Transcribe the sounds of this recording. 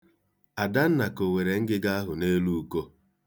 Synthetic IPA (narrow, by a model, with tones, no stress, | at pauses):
a˨da˦n̩˦na˨ko˨we˨ɾe˨ŋ̩˦ɡɪ˦ɡa˦a˦ɦʊ˨ne˦lu˦u˦ko˦